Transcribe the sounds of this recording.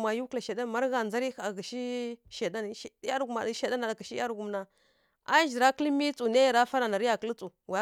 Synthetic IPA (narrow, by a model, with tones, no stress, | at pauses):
ma˨ju˦kla˨ʃe˨da˦˨ma˦ɾɣa˨nd͡za˦ɾi˦˨a˨ɡa˨ʃi˦ʃe˨da˦n˨˦˨ja˦ɾɡu˨ma˨˦ʃe˦˨da˦na˨ka˨ʃi˦a˦ɾɡu˨mna˨ | a˦ʒi˨ɾa˦kə˦lmi˦t͡su˨ne˦jɾa˦fa˦ɾa˨na˨ɾi˦ja˨kə˦lt͡su˨wa˨˦